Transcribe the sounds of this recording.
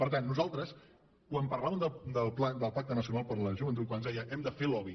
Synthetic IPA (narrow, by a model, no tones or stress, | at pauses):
pəɾt̪anːuzalˠt̪ɾəs | kwampərlaβəmd̪əd̪əlˠplad̪əlˠpak̚t̪ənəsiunalˠpəɾləʒuβənt̪ut̪̚kwanzðɛjəʔɛmd̪əfelɔβi